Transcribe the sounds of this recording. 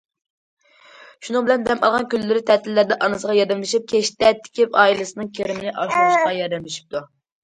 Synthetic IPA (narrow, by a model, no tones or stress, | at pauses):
ʃunɨŋbɪlɛnd̪ɛmɑ̰lˠʁɑnkʲylːɪɾɪt̪ʰɛt̪ʰɪlːæɾd̪ɛʔɑnɨsəʁɑjɑd̪ɛmlˠɨʃip̚kʲʰeʃt̪ɛt̪ʰːɪ̥kʲʰɪpɑːilˠɨsɨnɨŋkʲʰeɾɪmɪnɪʔɑʃuʃʁɑjɑɾd̪ɛmlɪʃi̥p̚t̪ʰu